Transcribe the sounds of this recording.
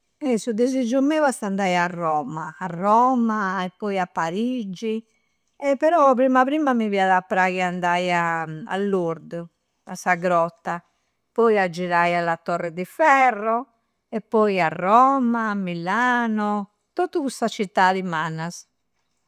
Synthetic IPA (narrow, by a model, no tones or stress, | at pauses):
ɛsud̪ezid͡ʒumːɛvast̪and̪ajarːɔːmaːrːɔːmaɛpːɔjapːaɾid͡ʒi | ɛpːɛɾɔpɾimapɾimamiviaðapːɾaɣiand̪ajaa̰lːuɾd̪ | asaɡɾɔt̪ːa | pɔjad͡ʒːiɾajalat̪ːɔrːɛd̪ifɛrːɔ | ɛpːɔjarːɔmaːmːilaːnɔ | t̪ot̪ːukusat͡ʃit̪ːaðimaːnas